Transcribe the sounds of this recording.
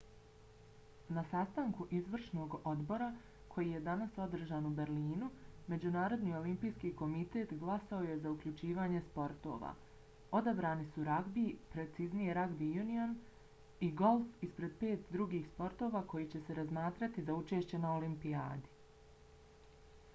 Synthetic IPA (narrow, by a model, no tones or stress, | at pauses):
nasast̪aŋkuʔizʋr̩ʃno̞ːɡo̞d̪bo̞ɾa | kʰo̞jije̞d̪anaso̞d̪r̩ʒaːnube̞ɾliːnume̞d͡ʑunaːɾo̞d̪niːo̞limpijskiːko̞mit̪e̞ːt̪ɡlˠasao̞je̞zaukʎʲut͡ʃiːʋaːɲe̞spo̞ɾt̪o̞̰ːʋa̰ː | o̞d̪abɾaːnisuɾaɡbipɾe̞t̪siznijeɾaɡbijunion | iɡo̞lˠfispɾe̞d̪̚pe̞ːt̪d̪ɾuɡiːxspo̞ɾt̪o̞ːʋaːko̞jit͡ɕe̞se̞ɾazmaːt̪ɾat̪izaut͡ʃe̞ːʃt͡ɕe̞naolimpia̰ːd̪i